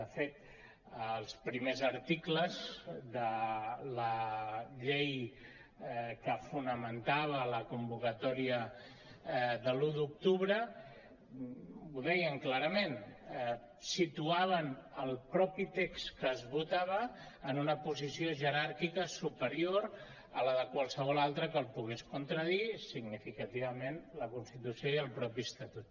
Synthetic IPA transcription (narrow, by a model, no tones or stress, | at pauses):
d̪əfet̪ | əlˠspɾimezəɾt̪ikləzd̪ələʎej | kəfunəmənt̪aβ̞ələkumbukət̪ɔɾiə | ðəluðuk̚t̪uβɾə | uðɛjəŋklaɾəmen | sit̪uaβ̞ənəlˠpɾɔpit̪ekskəːzβut̪aβ̞əː | nunəpuzisioʒəɾaɾkikəsupəɾioɾ | ələðəkwalˠsəβɔlalˠt̪ɾəkəlˠpuɣ̞eskunt̪ɾəðisiɡnifikət̪iβ̞əmenləkunst̪it̪usiojəlˠpɾɔpist̪ət̪ut̪̚